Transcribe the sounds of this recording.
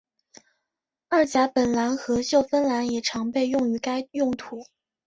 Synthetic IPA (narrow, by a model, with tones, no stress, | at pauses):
a˞˥˩t͡ɕja˧˥pə˨˩nla˧˥nxɤ˧˥ɕjo˥˩ʊfə˥nla˧˥njɛ˨˩ʈ͡ʂʰɑ˧˥ŋpe˥˧ɪjʊ˥˩ŋy˧˥ka˥ɪjʊ˥˩ŋt̪ʰu˧˥